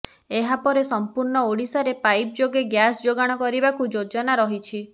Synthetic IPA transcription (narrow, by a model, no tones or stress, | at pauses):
eɦapɔɾesɔmpuɾɳɔoɽisaɾepajp̚d͡ʒoɡeɡjasd͡ʒoɡaɽ̃ɔkɔɾibakud͡ʒod͡ʒɔnaɾɔɦit͡ʃʰi